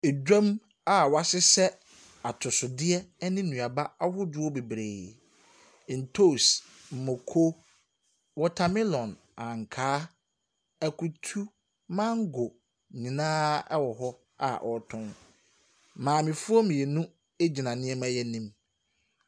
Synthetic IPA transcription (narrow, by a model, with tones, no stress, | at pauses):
e˨d͡ʑᶣã˦m | a˦˨wa˨sɪ˦sɛ˦ | a˨tʰʊ˨sʊ˨dɪ˦ɛ˦nɪ̃˦nũ˨a˨ba˦a˦hʊ˦dʊ˦ɔ˦be˨bɾeː˨ | n̩˨tʰo˦˨s | m̩˨mʊ˨kʰo˦ | wɔ˦tʰa˨mĩ˦lɔ̃˨n | ã˨ŋ˨kʰaː˦ | æ˨kʰu˨tʰu˦ | mã˦ŋ̩˦ɡʊ˨ | ɲĩ˨nãː˦ɛ˦wɔ˨ɦɔ˦ | a̰˨ʔɔ˨˦tʰʊ̃˦n | mãː˨mɪ̃˨fʊ˦ɔ˦mĩ˨ɛ˨nũ˦ | e˦d͡ʑi˨nã˨nɪ̃˦ɛ˦mã˦jɛ˦nĩ˦m